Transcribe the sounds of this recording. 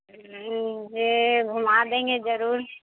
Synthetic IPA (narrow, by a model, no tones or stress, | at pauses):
d͡ʒeɡʱʊmad̪ẽːŋɡezəɾuːɾ